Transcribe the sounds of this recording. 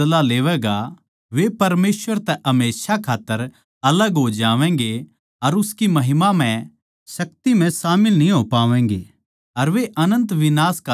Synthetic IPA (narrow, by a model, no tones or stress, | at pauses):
laleːʋɛːɡa | ʋepɐɾmeːsʋəɾt̪ɛʔɐmeːʃakʰaːt̪ːəɾ | ɐləɡɦod͡ʒaːʋɛ̃ːŋ̆ɡe | ɐɾʊskimɐɦɪmam̤ɛ̃ | sɐk̚t̪im̤ɛ̃saːmɪlnĩɦopaːʋɛ̃ːŋɡḛː | ɐɾʋeʔɐnə̃nt̪ʋɪnaːska